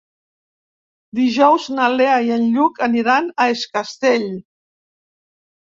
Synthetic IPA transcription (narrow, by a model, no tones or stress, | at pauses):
d̪iʒɔwznaleaiənʎukəniɾanaeskast̪eʎ